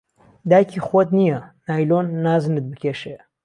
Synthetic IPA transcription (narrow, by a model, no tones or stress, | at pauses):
d̪aːjcʰiːxot̪̚nijɐnaːjloːnːaːzɨnɨt̪̚bɨkʲʰeːʃe